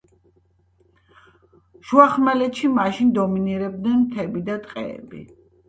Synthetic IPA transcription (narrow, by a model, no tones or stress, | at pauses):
ʃuaχmɛlɛt̪ʃimaʃind̪ɔminiɾɛb̚d̪nɛnmt̪ʰɛbid̪at̪ʼqʼɛ̰ɛ̰bḭ